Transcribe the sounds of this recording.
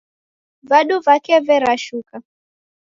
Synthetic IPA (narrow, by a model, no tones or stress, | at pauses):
vaɗuvakɛvɛɾaʃuka